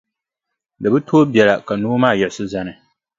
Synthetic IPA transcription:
dɨ˨bɨ˦tʰoː˦bjɛ˨la˨ka˨noː˦maː˦˨jɛ˨sʊ˦za˦nɨ˨

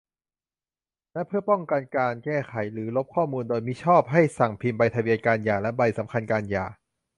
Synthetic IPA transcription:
nɛ˦˥pʰɯ˥˩ɐpɔ˥˩ŋka˧nkaː˧nkɛː˥˩kʰa˩˦jɾɯː˩˦lo˦˥p̚kʰɔː˥˩muː˧ndoː˧jmi˦˥t͡ɕʰɔː˥˩p̚ɦa˥˩jsa˨˩ŋpʰi˧mba˧jt̪ʰa˧wi˧ənkaː˧njaː˨˩lɛ˦˥ba˧jsa˩˦mkʰa˧nkaː˧nja̰ː˨˩

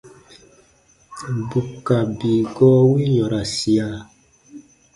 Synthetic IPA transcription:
bu˨ka˨biː˨ɡɔ˦wi˦ɲɔ˨ɾa˨si˨a˨

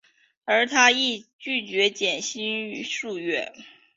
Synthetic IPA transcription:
ə˞˧˥t̪ʰa˥i˥˧t͡ɕy˥˩t͡ɕɥɛ˧˥t͡ɕjɛ˨˩nɕi˥ny˧˥ʂu˥˧ɥɛ˥˩

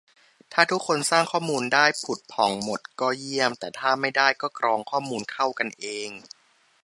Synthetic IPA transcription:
t̪ʰaː˥˩t̪ʰu˦˥kʰːo˧nsaː˥˩ŋkʰɔː˥˩muː˧ndaː˥˩jpʰu˨˩t̪̚pʰɔ˨˩˦ŋmo˨˩t̪̚kɔː˥˩ji˥˩əmt̪ɛː˨˩t̪ʰaː˥˩ma˥˩jdaː˥˩jkɔː˥˩kɾɔː˧ŋkʰɔː˥˩muː˧nkʰa˥˩wka˧nʔeː˧ŋ

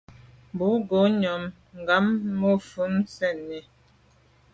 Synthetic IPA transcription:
bu˨˦ɡo˨˦ɲɔ˨m | ŋ˨ɡa˨˦mːo˦˨fu˨˦msɛ˦˨nːɛ˨

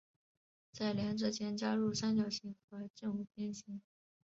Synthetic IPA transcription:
t͡sa˥˩ɪljɛ˧˥nʈ͡ʂ̩˥˩t͡ɕjɛ˥nt͡ɕja˥ɻu˥˩ʂa˥nt͡ɕjo˨˩ʊɕi˧˥ŋxɤ˧˥t͡ɕi˥˧ŋu˧˩pjɛ˥˩nɕi˧˥ŋ

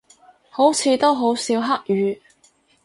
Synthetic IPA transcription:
ho˨˥wt͡sʰiː˨˧t̪o˥wɦo˨˥wsiː˨˥wɦa˥k̚jyː˨˥

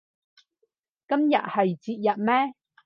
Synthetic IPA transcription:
kɐ˥mjɐ̰˨t̚hɐ˨jt͡si˧˨t̚jɐ˨˩t̚mɛː˦˥

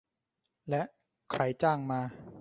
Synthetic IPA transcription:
lɛ˦˥ʔ | kʰɾa˧jt͡ɕaː˥˩ŋmaː˧

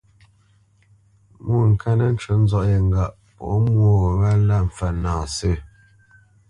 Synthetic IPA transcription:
mu˦˨ŋ̩˨kʰa˦nə˦n̩˦t͡ʃə˨˦n̩˦zɔ˦ʔje˨ŋ˨ɡa˨ʔ | pɔ̰˨ʔmwo˦ɣə˨βa˦la˦˨m̩˨fa˨naː˨sə˦˨

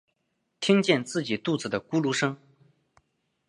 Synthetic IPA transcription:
t̪ʰi˥ŋt͡ɕjɛ˥˧nt͡sɹ̩˥˩t͡ɕi˨˩t̪u˥˩t͡sɹ̩˨˩d̪ə˩ku˥lu˧˥ʂɤ˥ŋ

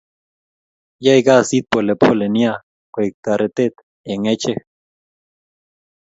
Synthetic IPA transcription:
ja˦jɡa˦si˦t̪̚pole˨pʰo˦le˨nja˦ | kʷe˨k̚t̪a˨ɾe˨t̪e˦t̪ | e˨ŋe˦t͡ʃe˦

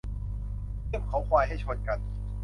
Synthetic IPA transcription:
ti˥˩əmkʰa˨˦wkʰwaː˧jɦa˥˩jt͡ɕʰo˧˩n̚ka˧˩n

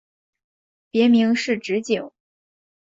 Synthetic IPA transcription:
pjɛ˧˥mi˧˥ŋʂɻ̩˥˩ʈ͡ʂɻ̩˧˥t͡ɕi˨˩˦ŋ

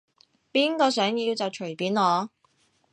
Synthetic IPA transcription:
piː˥nkɔː˧sœː˨˥ŋjiː˧wt͡sɐ˨wt͡ʃʰɵ˨˩piː˨˥nlɔː˨˧

